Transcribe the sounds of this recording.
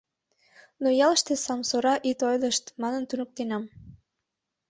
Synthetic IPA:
nojɑlə̆ʃt̪esɑmsoɾɑʔit̪ojləʃt̪mɑnənt̪unuk̚t̪enɑm

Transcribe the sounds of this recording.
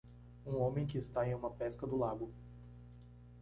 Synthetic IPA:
ũõmẽj̃k̬ɪːst̪aẽj̃ũmɐpɛskɐd̪ʊlaɡʊ

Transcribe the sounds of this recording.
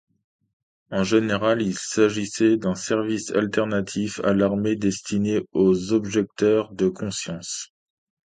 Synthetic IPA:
ɑ̃ʒeneʁalilsaʒisɛd̪ɛ̃sɛʁvisa̰lt̪ɛʁnat̪ʰifa̰laʁmed̪ɛst̪ineozɔbʒɛk̚t̪œʁd̪əkʰɔ̃sjɑ̃s

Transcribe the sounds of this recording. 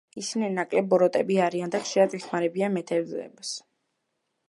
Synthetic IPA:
isinɛnakʼlɛbɔɾɔt̪ʼɛbiaɾiand̪aχʃiɾad̪ɛχmaɾɛbianmɛt̪ʰɛɾd̪zɛ̰bs

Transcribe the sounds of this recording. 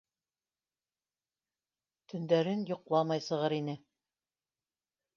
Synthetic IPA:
t̪ɵ̆nd̪æɾɘnjŏqlˠɑmɑjsɤ̆ʁɤɾinɘ

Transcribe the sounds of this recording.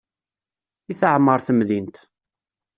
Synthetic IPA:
iθəʕmːəɾˤθəmðint̪

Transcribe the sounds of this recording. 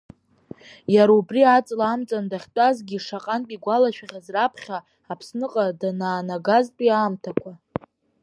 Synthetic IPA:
jaɾaubriat͡sʼlaːmt͡sʼandaχʲtʼazɡʲiʂaqʼanpʼiɡʷalaʃᶣaʁʲazrapʰχʲaː | pʰsnɨqʼadanaːnaɡaztʼiaːmtʰakʷʰa

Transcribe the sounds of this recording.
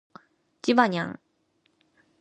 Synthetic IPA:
t͡ɕibaɲa̰ŋ

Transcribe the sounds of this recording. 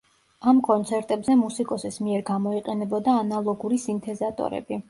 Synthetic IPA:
amkʼɔnt̪sʰɛɾt̪ʼɛbzɛmusikʼɔsismiɛɾɡamɔiqʼɛnɛbɔd̪aːnalˠɔɡuɾisint̪ʰɛzat̪ʼɔ̰ɾɛ̰bi

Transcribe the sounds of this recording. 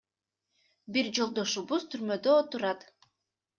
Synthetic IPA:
biɾd͡ʒo̞lˠd̪o̞ʃuβuzt̪ʰyɾmø̞d̪øot̪uɾɑt̪

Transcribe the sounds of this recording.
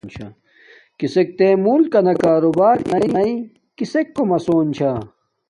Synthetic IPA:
nt͡ɕʰɐ̰ | kisek̚t̪eːmuːlkɐnɐkaːɾobaːɾnɐinɐi | kisekːomɐsoːnt͡ɕʰa

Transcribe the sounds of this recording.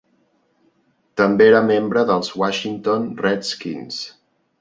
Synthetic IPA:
t̪əmbeeɾəmembɾəðəlˠzwaʃint̪onrɛt̪skḭns

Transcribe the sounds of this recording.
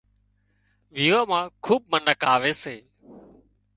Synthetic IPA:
ʋiːʋaːmãːkʰuːb̚mənəkaːʋeːseː

